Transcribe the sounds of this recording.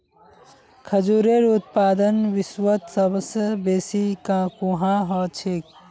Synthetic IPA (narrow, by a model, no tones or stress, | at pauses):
kʰəd͡ʒuɾeɾʊt̪̚paːd̪ənʋɪswət̪səbəsjəbeːsikãkũːɦãɦɔːt͡ʃʰik̚